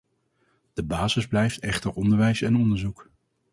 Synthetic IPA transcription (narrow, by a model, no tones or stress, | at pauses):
d̥əbaːzəzblɛjftɛχtəɹɔndəɹʋɛjsɛnɔndəɹzuk